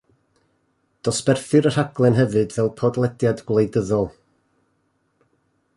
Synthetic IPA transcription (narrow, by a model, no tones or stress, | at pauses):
d̥ɔspɛrθɨɾər̥haɡ̥lˠɛnɦɛvɨdvɛlˠpʰɔdlˠɛdjadɡlˠejdəðɔlˠ